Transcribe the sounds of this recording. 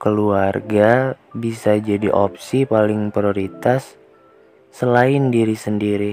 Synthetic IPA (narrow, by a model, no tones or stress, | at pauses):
kəluarɡabisad͡ʒadiʔop̚sipalɪŋpɾioɾit̪asː | əlaɪndiɾisəndiɾi